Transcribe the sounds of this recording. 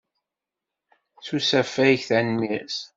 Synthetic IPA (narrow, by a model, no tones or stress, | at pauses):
θusæfæjçθænmis